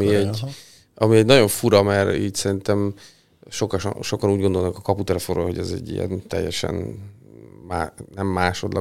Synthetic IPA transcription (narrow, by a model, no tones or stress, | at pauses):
iɛ | ɒmiɛɟnɒɟo̞ɱfuɾɒmɛɾḭːt̪sɛɾint̪ɛm | ʃo̞kɒʃʃo̞kɒnuːɟɡond̪o̞lnkɒkɒput̪ɛlɛfonroːɦo̞ɟɛzɛ̰ɟːḭjɛ̰nt̪ɛ̰jːɛʃɛ̰n | maːnɛmːaːʃo̞d̪lʔɒ̰